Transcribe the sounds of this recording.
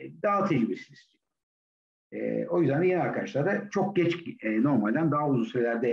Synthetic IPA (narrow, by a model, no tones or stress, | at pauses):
d̪aːt̪ʰiɡibiɾsiniz̥ | ɛ̰o̞jyzd̪ænd̪aɟe̞nilʲaɾkʰad̪aʃlˠaɾd̪at͡ʃʰo̞k̚ɟɛt͡ʃːno̞ɾmalʲd̪ænd̪aɦauzunsyɾelʲæɾd̪ɛ